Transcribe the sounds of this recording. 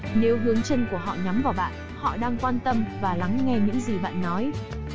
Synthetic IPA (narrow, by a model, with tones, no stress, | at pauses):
ne˨˦wɦɨ˨˦əŋt͡ɕə˧nku˧˩əɦɔ̰˧˨ɲa˨˦mvaː˨˩wɓa̰ː˧˨n | hɔ̰˧˨ɗaː˧ŋkwaː˧nt̪ə˧mvaː˨˩la˨˦ŋŋɛ˧ɲɨ̰˧˥ŋzi˨˩ɓa̰ː˧˨nːɔ˨˦j